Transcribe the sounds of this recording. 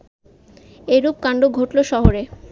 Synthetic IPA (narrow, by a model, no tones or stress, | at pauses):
eɾup̚kaɳɖoɡʱoʈloʃɔɦoɾe